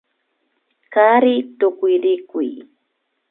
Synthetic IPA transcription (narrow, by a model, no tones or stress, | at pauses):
kaɾɪt̪ʊkʊjɾɪkʊj